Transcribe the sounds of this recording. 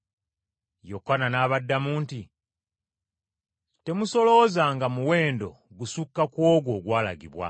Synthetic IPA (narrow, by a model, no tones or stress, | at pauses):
jo̞kːananaːβadːamuːnti | te̞muso̞lo̞zaŋɡamuwe̞ːndo̞̰ | ɡusukːakwo̞ːɡwo̞ːɡwaːla̰ɡḭβwa̰